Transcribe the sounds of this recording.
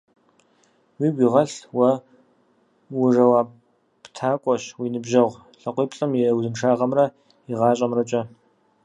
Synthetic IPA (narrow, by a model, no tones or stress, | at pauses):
wiːɡʷiːʁɐɬwɐ | wʊʐɐwaː | ptʰaːkʷʼɔɕwiːnɨbʒɐʁʷ | ɬɐqʷiːpɬʼɐmjɛwzɨnʂaːʁɐmrɐ | iʁɑːɕʼɐmrɐt͡ʃʼɐ